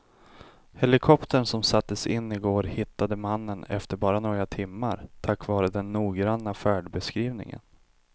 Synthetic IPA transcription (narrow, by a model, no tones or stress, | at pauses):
hɛlɪkʰɔpt̪ʰəɳsɔmsat̪ːəsɪnːɪɡoːɾhɪt̪ːad̪əmanːənɛ̰ft̪əɾbɑːɾanɔːɡɾat̪ʰɪmːaɾt̪ʰakːvɑːɾəd̪ɛnːuːɡɾanːafæːɖbɛskɾiːvnɪ̰ŋə̰n